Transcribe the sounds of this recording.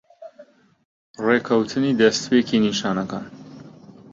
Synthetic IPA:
reːkʰɐwt̪ʰɨniːd̪ɐst̪pekʰiːniʃaːnɐkaːn

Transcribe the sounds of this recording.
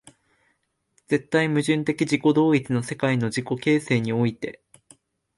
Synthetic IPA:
d͡ze̞t̪ːaimɯ̟ʑɨ̃nt̪e̞kʲiʑiko̞d̪o̞ːit͡sɨno̞se̞kaino̞ʑiko̞ke̞ːse̞ːɲ̟io̞it̪e̞

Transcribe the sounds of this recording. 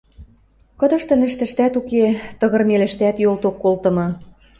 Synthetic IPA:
kɤ̆d̪ɤ̆ʃt̪ɤ̆nɘ̆ʃt̪ɘ̆ʃt̪æt̪uket̪ɤ̆ɣɤ̆rmelɘ̆ʃt̪æt̪jolt̪okːolt̪ɤ̆mɤ̆

